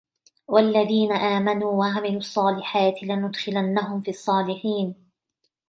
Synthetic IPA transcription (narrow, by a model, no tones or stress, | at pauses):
walːaðiːnaʔaːmanuːwaʕamɪluːɑsˤːɑːlɪħaːt̪ɪlanʊd̪xɪlanːaɦʊmfiːɑsˤːɑːlɪħiːn